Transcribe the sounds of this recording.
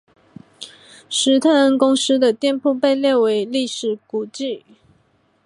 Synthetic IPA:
ʂɻ̩˧˥t̪ʰə˥˩ə˥nkʊ˥ŋs̩˥d̪ə˨t̪jɛ˥˧npʰu˥˧pe˥˧ɪljɛ˥˩we˧˥ɪli˥˩ʂɻ̩˨˩ku˨˩t͡ɕi˥˩

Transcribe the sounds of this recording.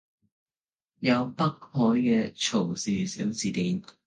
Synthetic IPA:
jɐ˨˧wpɐ˥k̚hɔː˨˥jkɛː˧t͡ʃʰo˨˩wsiː˨˩si˨˥wt͡siː˨˧t̪iː˨˥n

